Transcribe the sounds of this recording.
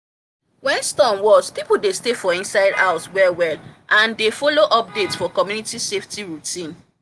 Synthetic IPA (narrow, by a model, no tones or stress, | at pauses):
wɛ̃nstɔ̃mwɔspipudestefɔĩnsaɪda̰ʊswɛwɛlʔãndefoloʔɔp̚detsfɔkɔmjunitiseftiɹutĩn